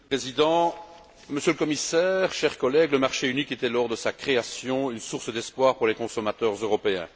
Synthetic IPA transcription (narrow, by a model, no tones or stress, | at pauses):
pχezid̪ɑ̃ | məsjøləkɔmisɛːʁʃɛʁkɔlɛɡləmaʁʃeyniket̪ɛlɔʁd̪əsakχeasjɔ̃ynsuʁsd̪ɛspwaːʁpuʁlekɔ̃sɔmat̪œːʁzøʁɔpeɛ̰̃